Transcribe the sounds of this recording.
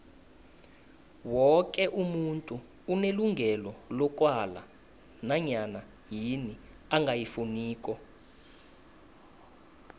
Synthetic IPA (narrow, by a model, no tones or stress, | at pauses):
wɔk̬ʼɛʔumuntʼuː | neluŋɡʱɛlɔlɔkʼwala̰ | naɲana | jini | aŋɡʱajifuniːk̬ʼɔ